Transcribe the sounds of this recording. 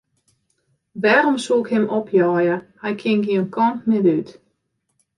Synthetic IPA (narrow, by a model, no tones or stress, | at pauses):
ʋɛːɾomsuɪkhɪmopʰjɔːjəhɛjkʰɪŋɡiənkʰɔntmɪdyt